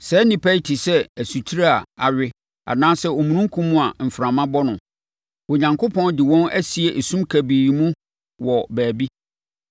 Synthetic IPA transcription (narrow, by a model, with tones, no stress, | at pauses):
sɛ˨˦nɪ̃˨pʰæ˦i˦tʰi˨sɛ˦æ˨su˨tʰi˦ɾa˦a˨a˨ɥᶣɪ˦ | a̰˨nãː˦sɛ˦ɔ˨mũ˨nũ˦ŋ̩˦kʰũ˦mːũ˦a˨m̩˨fɾã˨mã˦bɔ˦nʊ̃˨ | o˨ɲã˨ŋkʰo˦pʰɔ̃˦ndɪ˨wɔ̃˦næ˦si˨e˨ʔsũ˦mkʰæ˨biː˨mũ˦ | wɔ˨bæː˨bi˦